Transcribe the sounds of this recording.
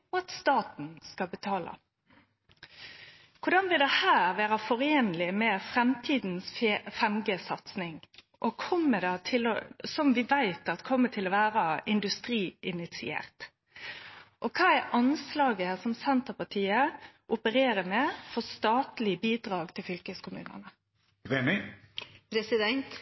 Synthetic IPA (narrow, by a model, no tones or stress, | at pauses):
ɔɑt̪st̪ɑːt̪n̩skɑlbət̪ʰɑːlə̰ | kʰʊdɑnʋɪld̪ɛhæːɾʋæːɾɑfɔɾeːnlɪmɛfɾɛmt̪ʰiːd̪nsfɛmɡəsɑt̪snɪŋ | ʔɔkʰɔmːəd̪ɑt̪ʰɪlɔ̰sɔmʋɪʋæɪt̪ɑt̪kʰɔmːət̪ʰɪlɔʋæːɾəɪnd̪ʉst̪ɾiːɪnɪt̪sɪ̰ḛːɾt̪ | ʔɔkʰɑːæɾʔɑnslɑːɡəsɔmsɛnt̪əpɑʈ̪ʰiːəʔʊpəɾeːɾəmɛfɔst̪ɑːt̪lɪbiːd̪ɾɑːɡt̪ʰɪlfʏlkəskʰʊmʉ̰ːnə̰nə | ʁeːnɪpʰɾɛsɪd̪ɛnt̪